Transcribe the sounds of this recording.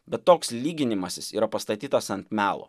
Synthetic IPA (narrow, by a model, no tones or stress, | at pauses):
bʲɛt̪tːoːkslʲiːɡʲɪnʲɪmɐsʲɪsiːɾɐpɐst̪ɐt̪ʲiːt̪ɐsɐnʲt̪ʲmʲæːlˠo̰ː